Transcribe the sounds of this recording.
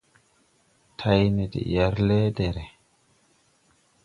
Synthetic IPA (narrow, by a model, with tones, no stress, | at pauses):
tʰa˦jne˨dḭ˨ja˨ɾlɛ˦dɛ˨ɾɛ˨